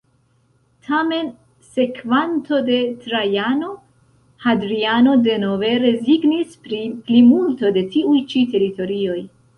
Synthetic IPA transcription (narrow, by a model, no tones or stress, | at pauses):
tʰame̞n | se̞kvanto̞de̞tɾajano̞ | hadɾiano̞de̞nove̞ɾe̞ziɡnispɾiplimulto̞de̞tiujt͡ʃite̞ɾito̞ɾio̞j